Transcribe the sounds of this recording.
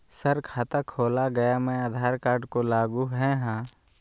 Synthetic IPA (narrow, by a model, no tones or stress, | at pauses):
səɾkʰaːt̪akʰoːlaɡɐjamɛ̃əd̪ʱaːɾkaːɾɖkolaːɡuɦɛɦãː